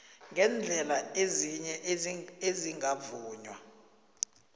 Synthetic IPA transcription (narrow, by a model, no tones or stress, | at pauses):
ŋɡʱɛnd͡ɮʱɛlaeziɲɛʔeziŋɡʱavuːɲwa